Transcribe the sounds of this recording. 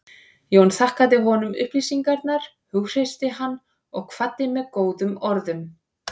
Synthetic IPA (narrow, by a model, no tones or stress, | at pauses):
jownθahkaðɪɦɔnʏmʏ̰hpliːsiŋkaɾt̪naɾ̥ | hʏɣr̥ejst̪ɪɦanː | ɔɣkʰvat̪ːɪmɛðkoːwðʏmɔɾðʏm